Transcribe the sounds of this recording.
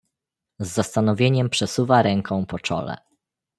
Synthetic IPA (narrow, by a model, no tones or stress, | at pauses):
zːast̪anɔvʲjeɲɛmpʂɛsuvaɾɛŋkʰɔ̃w̃pɔt͡ʂɔ̰lɛ̰